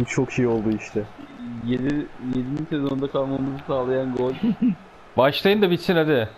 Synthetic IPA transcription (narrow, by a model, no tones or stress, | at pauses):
t͡ʃʰo̞kʃejo̞lˠd̪uiʃt̪ʰɛjed̪ijed̪ininsezo̞nund̪akʰalˠnunmazɯsaːlˠajanɡolʲ | baʃlˠajɯnd̪abisinad̪ɪ